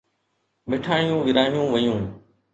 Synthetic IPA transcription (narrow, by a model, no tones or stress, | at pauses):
mɪʈʰaːɳ̃ɪjũːʋɪɾaːijũːʋəjũː